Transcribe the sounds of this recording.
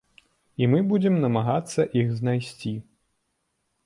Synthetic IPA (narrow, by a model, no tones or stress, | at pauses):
imɨbud͡zʲɛmnɐmaɣat̪sːɐʔixznajsʲt͡sʲi